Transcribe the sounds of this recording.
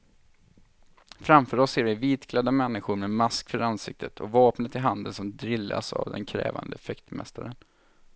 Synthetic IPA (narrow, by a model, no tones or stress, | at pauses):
fɾamfœɾɔsːeːɾvɪviːt̪ɡʰlɛd̪ːamɛnːɪɧʊɾmɛmaskfœɾansɪ̰k̚t̪ʰət̪ʰɔ̰vɑːpnət̪ɪɦand̪ənsɔmd̪ɾɪlːa̰sa̰vd̪ɛ̰nkʰɾɛ̰ːva̰nd̪əfɛkt̪mɛ̰st̪aɾən